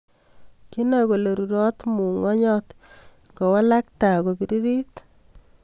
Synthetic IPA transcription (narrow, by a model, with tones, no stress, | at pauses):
ki˦nɛ˨ko˨le˨ɾu˨ɾɔ˦t̪mu˨ŋɔ˦ɲɔ˦t | ŋɡo˨wa˦la˦k̚ta˨ko˨bi˨ɾi˦ɾi˦t